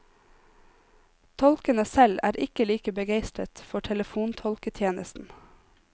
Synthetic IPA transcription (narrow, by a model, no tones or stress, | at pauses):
t̪ʰɔlkənəsɛlæ̰ːɾʔɪkəliːkəbəɡeɪst̪ɾət̪fɔʈʰɛləfuːnt̪ʰɔlkət̪ʰjeːnəst̪n̩